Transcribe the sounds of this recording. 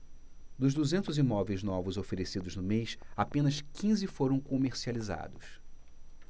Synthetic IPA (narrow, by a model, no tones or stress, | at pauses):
d̪ʊʒd̪uzẽnt̪ʊzimɔvejznɔvʊzofeɾesid̪ʊʒnʊmejsapẽnɐskĩzɪfoɾɐ̃w̃komeɾsializa̰d̪ʊs